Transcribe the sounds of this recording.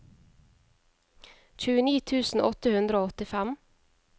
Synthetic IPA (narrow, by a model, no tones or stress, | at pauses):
c͡çʉːəniːt̪ʰʉːsn̩ʔɔt̪əhʉnd̪ɾəoːɔt̪ɪfæm